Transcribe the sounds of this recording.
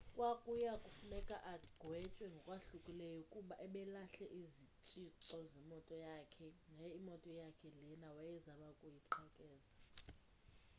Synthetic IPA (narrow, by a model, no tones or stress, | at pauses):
kʼwakʼujakʼufunɛkʼaʔaɡ̥ʱwɛt͡ʃʼwɛŋɡʱɔkʼwaɬukʼilɛjɔkʼuɓaʔɛɓɛlaɬɛʔizit͡ʃʼiǁɔzɛmɔtʼɔjakʰɛŋaimɔtʼɔjakʰɛlɛnawajɛzamakʼujiǃʰɔkʼɛːza